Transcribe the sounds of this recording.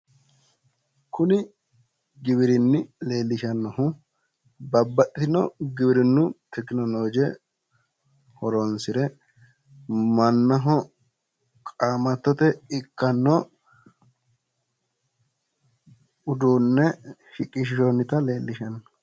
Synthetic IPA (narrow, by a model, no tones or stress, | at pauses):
kʊnɪ | ɡɪβɪɾɪnːɪle̞ːlːɪʃɐnːɐhʊ | bɐbːɐɗɪt̪ɪnɔ̰ɡɪbɪɾɪnːʊt̪ɛkːɪnɔloːd͡ʒɛ | hɔɾɔnsɪɾɛ | mɐnːɐɦɔ | kʼaːmɐt̪ːɔt̪ɛɪkːɐnːɔ | ʊd̪uːnːɛhɪkʼːɪʃɪʃɔnːɪt̪ɐle̞ːlːɪʃɐnːɐ̥